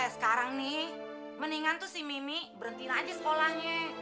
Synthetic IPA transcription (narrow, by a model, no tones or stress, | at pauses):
sə̥kaɾaŋnɪ | məniŋant̪usihmimibəɾənt̪inad͡ʒasəkolahɲa